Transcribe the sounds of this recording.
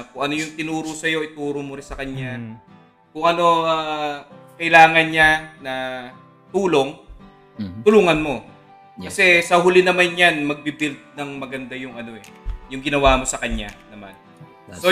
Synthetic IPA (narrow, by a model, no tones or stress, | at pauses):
kʊŋʔɐno̞jʊŋt̪ɪnuːɾosɐjo̞ʔɪt̪uːɾomʊɾɪnsɐkɐɲːa | kʊŋʔɐno̞a | kɐʔɪlaːŋɐnɲanɐ | t̪uːlo̞ŋ | t̪ʊluːŋɐnmo̞ | ɐsɛsɐɦʊlɪnɐmanjanmɐɡ̚bibɪlt̪̚nɐŋmɐɡɐnd̪ajʊŋɐno̞ʔɛjʊŋɡɪnɐwaːmo̞sɐkɐɲanɐma̰n | so